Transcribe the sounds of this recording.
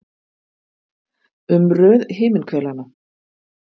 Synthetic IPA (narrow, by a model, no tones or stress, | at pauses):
ʏmrœːðɦɪːmɪnkʰvɛlana